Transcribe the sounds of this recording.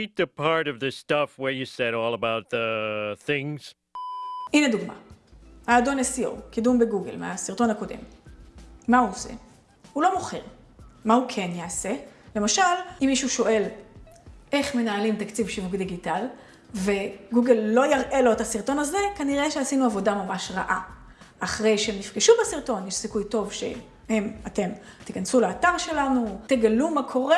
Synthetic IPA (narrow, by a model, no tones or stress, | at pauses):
it̪̚ðɨpʰɑɹɾʌvðɨstʌfwə˞jɨsɛɾɔlˠəbaʊt̪̚ðəθɪ̃ŋz̥ | ʔined̪uɡma̰aːdonesio̰wkidumbeɡuɡḛlmḛasiʁt̪o̞nhako̞de̞̰mː | auose̞̰ | hulo̞mo̞χḛʁ | mahukʰe̞njaːse̞lemaʃalimːiʃuʃo̞ʔe̞l | ʔe̞χme̞naːlimtakt͡sivʃivukd̪iɡital | ve̞ɡuɡelːo̞jaʁʔe̞lo̞et̪asiʁt̪o̞naze̞kaniʁeʃehasinuavo̞damamaʃʁa̰ʔa | ʔaχʁe̞jʃehemnifɡiʃubesiʁto̞njeʃsikujto̞vʃe̞̰ | hemate̞mt̪ikansulaːtaʁʃe̞lanut̪e̞ɡalumakʰo̞ʁe